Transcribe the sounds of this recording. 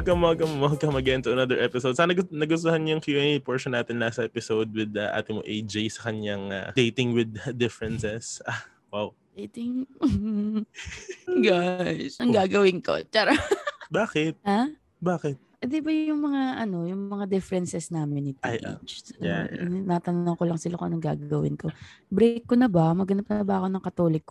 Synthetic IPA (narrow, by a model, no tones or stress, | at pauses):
ɐɡɐmɐɡɐmmoɐɡ̚kɐɐmɐɡaʔɪnt̪ʊɐnɐd̪ɛɹʔɛpɪsowd̪saːnɐɡnɐɡʊst̪ʊhanjʊŋkjuʔɛnipoɹʃɔnːaːt̪ɪnlaːsɐʔɛpɪsowd̪̚wɪd̪ɐʔa̰ːt̪ɪmoʔejd͡ʒejsɐ̥kɐɲaŋɐ̰d̪ejt̪ɪŋwɪd̪̚d̪ɪfɛɹɛnsɛsa | waw | d̪ejt̪ɪŋ | ɡajsɐŋɡaːɡɐwɪnko̞̰t͡ʃaːɾɐbaːkɪt̪̚haː | baːkɛt̪̚ʔɛd̪ɪbɐjʊŋmɐŋaʔɐno̞jʊŋmɐŋad̪ɪfɛɾɛnsɛsnaːmɪnːɪp̪ajʔḛt͡ʃsja̰ʔɪ̰nɪnaːt̪ɐnʊɐŋkolɐŋsɪlakʊ̰ʔɐ̰noŋɡa̰ːɡɐwɪ̰nko̞bɾekːonɐbɐmɐɡɐnɐp̚nɐbɐɐko̞nɐŋkɐt̪oːlɪkːo